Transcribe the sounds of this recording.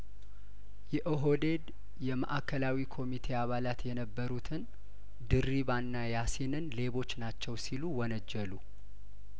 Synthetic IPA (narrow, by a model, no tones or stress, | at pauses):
jɛʔɨɦod̪e̞d̪ | jɛmə̰ʔakʰːəlawikʰo̞mit̪ʰe̞aβalat̪jɛnəbːəɾut̪ʰɨn | d̪ɨriβanːajasinɨnle̞βo̞t͡ʃːnat͡ʃːɛwsiluwɔnəd͡ʒːɛlu